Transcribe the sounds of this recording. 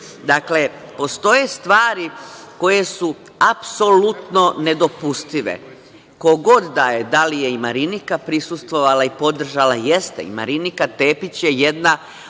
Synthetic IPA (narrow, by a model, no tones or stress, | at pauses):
d̪akle̞ | po̞st̪o̞je̞st̪ʋaːɾiko̞je̞su | apso̞lut̪no̞ned̪o̞pust̪iʋḛ | ko̞ɡo̞d̪ːajed̪alije̞imaɾinikapɾisust̪ʋo̞ʋalaipo̞d̪r̩ʒalaje̞st̪ḛḭma̰ɾinikat̪e̞ːpit͡ɕjejed̪na